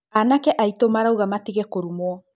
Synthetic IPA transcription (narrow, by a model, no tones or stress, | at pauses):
anakɛʔaitomaɾawɣamatiɣekoɾumoɔ